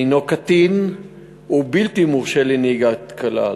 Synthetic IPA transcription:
jnokat̪in | ubilt̪imuʁʃeliniɡat̪kala̰l

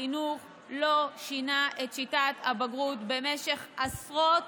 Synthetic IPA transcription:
inuk | lo̞ʃinaʔetʃitatabaɡʁutbe̞meʃeχasʁot

